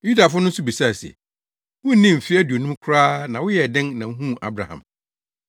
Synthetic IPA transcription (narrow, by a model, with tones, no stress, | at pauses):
ju˦da˨fʊ˦nʊ̃˦sʊ˦bi˨sa˦˨sɛ̰˨ | wʊ̃˦n̩˦nĩ˦m̩˨fɪ˦æ˦du˨o˨nũ˦mkʰʊ˦ɾaː˦nã˨wʊ˦jɛ˨dɪ̃˦nnã˨ŋ̩˦ɦũ˦˨a̰˦bɾa̰˨hã̰˨m